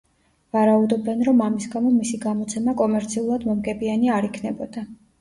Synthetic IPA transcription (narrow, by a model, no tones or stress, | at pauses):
vaɾaud̪ɔbɛnɾɔmamisɡamɔmisiɡamɔt̪sʰɛmakʼɔmɛɾt̪sʰiulˠad̪mɔmɡɛbianiaɾikʰnɛbɔd̪̥a